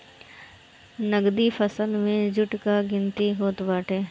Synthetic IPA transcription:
nəɡd̪ipʰəsəlmẽd͡ʒʊʈkaɡɪnt̪iɦoːt̪baːʈʰeː

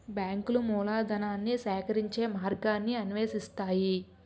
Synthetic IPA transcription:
bjaːŋkulumuːlaːd̪ɐnaːnːisɛːkɐɾiɲt͡ʃe̞ːmaːɾɡaːnːiɐnʋeːsist̪aːji

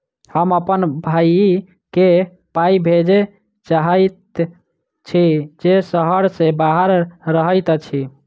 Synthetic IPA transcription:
həməpənbʱaj | ke | paibʱed͡ʒe | t͡ʃaɦəjt̪ | t͡ʃʰid͡ʒesəɦəɾsebaɦəɾːəɦəjt̪t͡ʃʰi

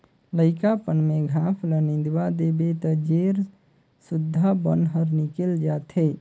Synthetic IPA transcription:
ləɪkapənmeɡʱapʰlənĩnd̪wad̪ebet̪əd͡ʒeɾ | sud̪ʱːabənɦəɾnikeld͡ʒat̪ʰe

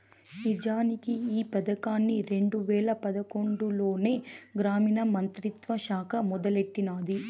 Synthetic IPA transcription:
nid͡ʒaːnikiiːpɐd̪ɐkaːnːiɾe̞ɳɖuʋɛːɭɐpɐd̪ɐkoɳɖuloːne̞ːɡɾaːminɐmɐnt̪ɾit̪ʋɐʃaːkɐmɔd̪ɐleʈːinaːd̪i

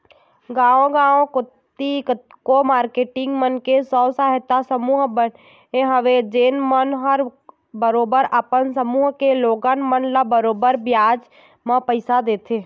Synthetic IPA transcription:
ɡãːõɡãːõkʊt̪ː | i | komaːɾkeːʈɪŋɡmənkesɔːsaːɦət̪ːasəmuːɦbən | ɦeɦəʋed͡ʒeːnmənɦəɾ | bəɾoːbəɾəpənsəmuːɦkeloːɡənmənləbəɾoːbəɾbjaːd͡ʒ | mə̃pəɪsad̪eːt̪ʰeː

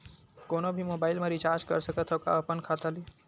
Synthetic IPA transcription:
koːnobʱimobaːɪlmẽɾit͡ʃaɾd͡ʒkə̰ɾsəkət̪ʰəka̰əpənkʰat̪əli

